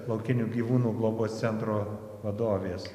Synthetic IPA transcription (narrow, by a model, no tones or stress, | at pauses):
lˠɐʊkʲɪnʲuːɡʲiːʋuːnuːɡlˠoːboːst̪sʲɛnt̪ɾoː | ʋɐd̪oːʋʲeːs